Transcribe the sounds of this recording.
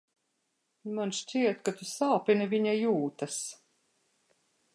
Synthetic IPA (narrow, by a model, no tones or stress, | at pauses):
manʃt͡ʃʲiɛt̪kat̪usaːpinaviɲajuːt̪as